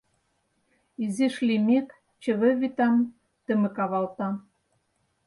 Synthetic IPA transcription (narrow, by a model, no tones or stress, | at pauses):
izeʃlimek | t͡ɕɘ̆βɘ̆βit̪ɑm | t̪ə̆mɘ̆kɑβɑlt̪ɑ